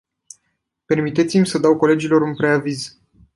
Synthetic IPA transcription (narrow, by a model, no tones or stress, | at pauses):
pe̞rmit̪e̞t̪simʲsəd̪awko̞le̞d͡ʒilo̞ɾunpɾe̞aviz